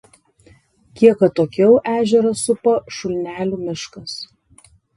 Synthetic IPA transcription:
kʲiɛkɐt̪oːkʲɛʊʔæːʒʲɛɾɐsʊpoʃʊlʲnʲæːlʲuːmʲɪʃkɐs

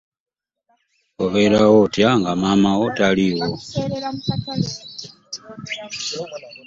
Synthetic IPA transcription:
oβelaɣotjaŋɡamamaɣotaliwo

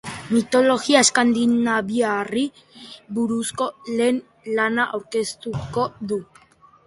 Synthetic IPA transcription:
mit̪o̞lo̞ɣiaeskand̪inaβiari | βuɾusko̞le̞ːn | lanaʔawɾke̞st̪uko̞ðu

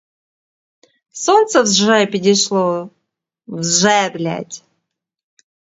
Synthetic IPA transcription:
sont̪səvzʐɛpʲɪɾʲɪʂlˠɔ | vzʐɛblʲæ̰tʲ

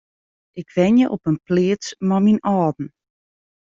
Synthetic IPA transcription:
ɪkʋɛnjəʔopənpleːət͡smaminɔːdn̩

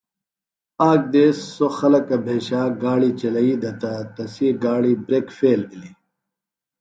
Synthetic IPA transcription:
aːk̚d̪eːsːoxɐlɐkɐbʱeːɕaːɡaːɽit͡ɕɐlɐiːd̪ɐt̪ɐt̪ɐsiɡaːɽibɾeːkfeːlbili

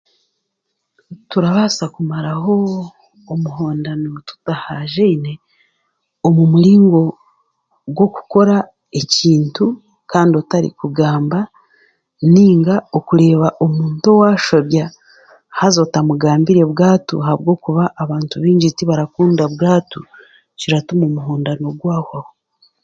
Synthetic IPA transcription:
tuɾaβaːsakumaɾaɦo̞ː | muɦo̞ːndanotu̥tahaʒeine̞ | omumuɾiːŋɡo̞ | ɡwo̞ku̥ko̞ɾa | e̞ciːntu | kaːndiotaɾḭkuɡaːmba | niːŋɡao̞kuɾe̞ːβaʔomuːnto̞waːʃoβja | hazotamuɡaːmbiɾe̞βɡaːtṵɦaβɡo̞ːkuβaʔːβaːntuβiːɲɟitiβaɾakuːndaβɡaːtu | ciɾatumoːmuɦoːndano̞ɡwaːhaho

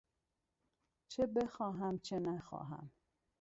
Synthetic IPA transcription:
t͡ʃʰebexɒːɦæmt͡ʃʰenæxɒ̰ːɦæ̰m

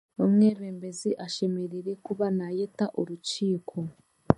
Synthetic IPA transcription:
omŋeːβeːmbe̞ziʔaʃe̞meɾiɾekuβanajetaʔuɾut͡ʃiːkʰo̞

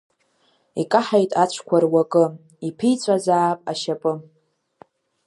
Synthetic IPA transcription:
ikʼaħajtʼat͡ɕʷʰkʷʰarwakʼɨ | ipʰijt͡sʷʼazaːpʼaʃapʼɨ

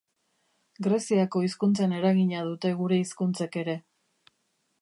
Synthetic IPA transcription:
ɡɾe̞siako̞iskunt͡sane̞ɾaɣiɲað̞ut̪e̞ɣ̞uɾe̞iskunt͡seke̞ɾe̞

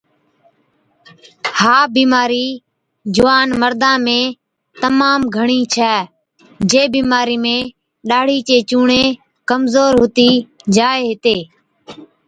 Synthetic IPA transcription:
haːbiːmaːɾiː | d͡ʒʊʋaːnməɾd̪ãːmẽː | t̪əmaːmɡʱəɳiːt͡ʃʰɛː | d͡ʒeːbiːmaːɾiːmẽː | ɗaːɽ̤iːt͡ʃeːt͡ʃuːɳẽː | kəmzoːɾɦʊt̪iːd͡ʒaːeːɦɪt̪eː

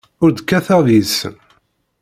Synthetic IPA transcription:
ʊɾd̪kːæθæðis

